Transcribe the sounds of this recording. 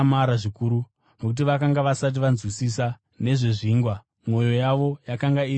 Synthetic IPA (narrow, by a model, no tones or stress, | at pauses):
maɾaʐikuɾu | no̞k̬ut̬iʋakaŋɡaʋasat̬iʋanzwisisa | ne̞ʐe̞ʐiːŋɡwa | mo̞jo̞jaʋo̞jakaŋɡai